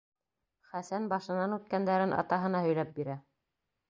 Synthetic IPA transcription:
χæsænbɑʃɤ̆nɑnʉt̪̚kænd̪æɾɘnʔɑ̰t̪ɑɦɤ̆nɑhɵ̆jlæp̚biɾæ

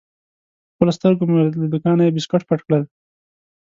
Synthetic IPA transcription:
pəlost̪əɾɡomelad̪ʊkɑnajebɪskaʈpaʈkɽəl

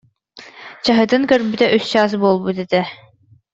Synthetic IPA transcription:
t͡ɕaɦɯ̆t̪ɯŋkœɾbyt̪ɛʔyst͡ɕas̬bolˠbut̪et̪ɛ

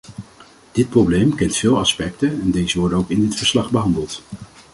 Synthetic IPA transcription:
d̥ɪt̚problejmkɛntfɪːlˠɑspɛk̚tənɛndejzəʋɔɹdənowkɪndɪtfəɹslɑχbəɦɑndəlˠt

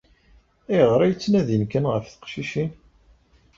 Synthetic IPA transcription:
æjəʁɾˤæjt͡sːnæðinkænʁəfθə̥qʃiʃin

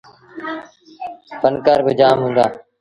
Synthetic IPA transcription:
fʰənkaːɾbɪd͡ʒaːmɦũːnd̪a̰ː

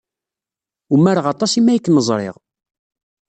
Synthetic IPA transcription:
umːæɾəʁɑt̪ˤɑsimæjəkːməzˤɾˤḛʁ

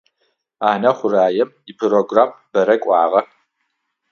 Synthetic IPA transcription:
aːnɐχʷʊraːjɛm | ipʰroɡraːmbɐɾɐkʷʼɑːʁɐ

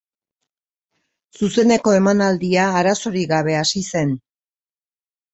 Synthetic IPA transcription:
suse̞ne̞ko̞e̞manald̪iaːɾaso̞ɾiɣaβ̞e̞asise̞n

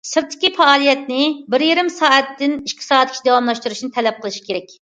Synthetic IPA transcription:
sɨɾt̪ʰːɪ̥kʲifɛɑːlˠijɛt̪nɪbɪɾjeɾɪmsɑːɛt̪ːɪniʃt̪ʲʰɨ̥sɑːt̪ʰːikʲʰt͡ʃʰid̪ɛwɑmlˠɑʃt̪uɾuʃnɨt̪ʰɛlɛp̚qʰəlˠɨʃi̥kʲʰeɾɛkʲ

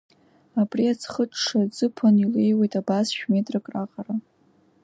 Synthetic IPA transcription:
apʼriat͡sʰχəʈ͡ʂʰʂad͡zɨpʰanilejwe̞jtʼabasʃᶣmetʼrɨkʼraqʼara

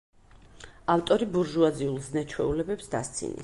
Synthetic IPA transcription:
aft̪ʼɔɾibuɾʒuad̪ziulˠznɛt͡ʃʰwɛulɛbɛpsd̪ast̪sʰḭnḭ

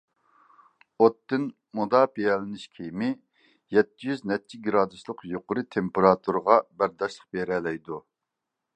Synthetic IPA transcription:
ot̪ːɨn | mud̪ɑːpʰejɛlɪnɪʃkʲʰijmɪ | jɛt̪ʰːijyznɛt͡ʃʰiɡɾɑːd̪uslˠʊqjoqʊɾɨt̪ʰempeɾɑːt̪ʰuɾʁɑbæɾd̪ɑʃlˠə̥q̚beɾɛːlɛjd̪u

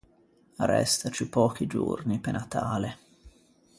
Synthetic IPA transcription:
arːɛ̰st̪at͡ʃipɔːk̟id͡ʒṵrnipenʔat̪aːle

